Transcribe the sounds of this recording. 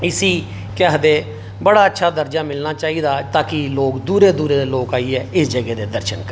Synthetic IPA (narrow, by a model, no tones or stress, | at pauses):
ɪsiː | kaːɦd̪eː | bəɽaːətːʃʰaːd̪əɾd͡ʒaːmɪlnaːt͡ʃaːiːd̪aːt̪ãːkɪloːkd̪uːɾeːd̪uːɾeːd̪eːloːkaːiɛːɪsd͡ʒəɡɛːd̪eːd̪əɾʃənk